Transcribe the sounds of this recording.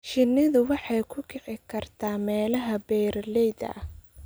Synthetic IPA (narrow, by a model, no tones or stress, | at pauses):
ʃɪnɪðʊwɑħɑjkʰʊkʰɛʕɪkʰɐrt̪ʰaːmɛːlɐɦɐbɛːrlɛjd̪ɐ̰